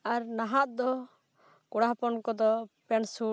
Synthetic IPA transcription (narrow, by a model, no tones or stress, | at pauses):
aɾnaɦaʔd̪ɔ | kɔɽaɦpɔnkɔd̪ɔpɛnsu